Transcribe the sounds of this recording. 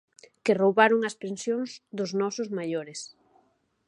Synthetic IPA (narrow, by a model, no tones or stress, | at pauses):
kɪrowβaɾʊŋɐspensjoŋzd̪ʊznɔsʊzmaʎoɾɪs